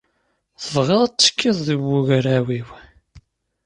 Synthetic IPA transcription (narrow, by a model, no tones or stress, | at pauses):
θəvʁeðˤt͡sːə̥kʰːiðˤðiwːuɣɾæwiw